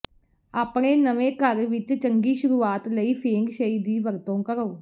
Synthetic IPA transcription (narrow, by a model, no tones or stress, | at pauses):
aːpɳeːnəʋeːkəɾʋɪt͡ʃt͡ʃəŋɡiːʃʊɾuːaːt̪ləiːpʰeːŋɡʃəiːd̪iːʋəɾt̪õːkəɾoː